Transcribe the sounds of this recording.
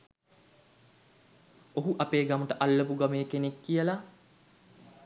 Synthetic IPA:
oɦuʔapeːɡaməʈəʔalːəpuɡameːkenekːijəla

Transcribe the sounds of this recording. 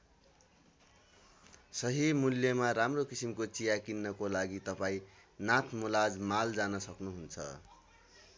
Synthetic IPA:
sʌɦimuljʌmaramrokisimkot͡sijakinːʌkolaɡit̪ʌpaĩnat̪ʰmulad͡zmald͡zanʌsʌknuɦunt͡sʰʌ̰

